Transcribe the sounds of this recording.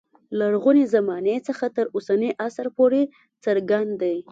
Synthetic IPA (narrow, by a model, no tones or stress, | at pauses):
laɽɣunezamɑnet͡səxat̪əɾosaneʔasəɾpoɾe | t͡səɾɡand̪d̪aj